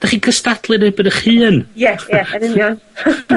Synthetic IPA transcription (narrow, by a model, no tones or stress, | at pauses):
d̥aχikʰəstadlˠɨɾhɪbədəχhɨːnjɛjɛənɪnjɔn